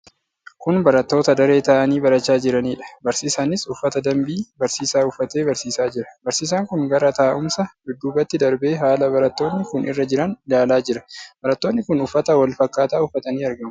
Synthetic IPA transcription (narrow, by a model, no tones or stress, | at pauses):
kʊnbɐɾɐt̪ːo̞ːt̪ɐd̪ɐɾe̞ːt̪ɐʔɐniːbɐɾɐt͡ʃːaːd͡ʒɪɾɐniːᶑɐ̥bɐɾsiːsaːnɪsʊfːɐt̪ɐd̪ɐmbiːbɐɾsiːsaːʊfːɐt̪e̞ːbɐɾsiːsaːd͡ʒɪɾɐ̥bɐɾsiːs̬aːŋkʊŋɡɐɾɐt̪ɐːʔʊmsɐbɪd̪ːuːbɐt̪ːɪd̪ɐɾbe̞ːɦaːlɐbɐɾɐt̪ːo̞ːnːɪkʊnʔɪ̰rːɐd͡ʒɪɾɐndaːlaːd͡ʒɪɾɐ̥b̥ɐɾɐt̪ːo̞ːnːɪkʊnʊfːɐt̪ɐwɐlfɐkːaːt̪aːʊfːɐt̪ɐniːɐɾɡɐmɐ